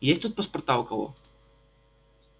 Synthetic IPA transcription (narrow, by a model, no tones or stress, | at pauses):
jesʲt̪ut̪̚pɐspɐrt̪aʊkɐvɔ̰